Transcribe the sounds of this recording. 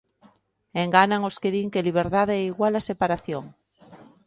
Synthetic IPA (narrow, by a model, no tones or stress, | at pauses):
eŋɡanaŋoskeðiŋkeliβ̞eɾðaðɛiɣwalasepaɾaθjoŋ